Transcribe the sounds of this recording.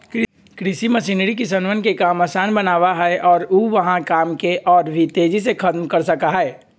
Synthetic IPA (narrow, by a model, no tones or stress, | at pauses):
k | kɾɪsimɐsinɾik̬is̬ənʋənkekaːmɐsaːnbənaːʋaɦɛɛʔɔːɾuʋəɦãkaːmkeʔɔːɾbʱit̪eːd͡ʒisekʰɐt̪mkəɾsɐkaɦɛɛ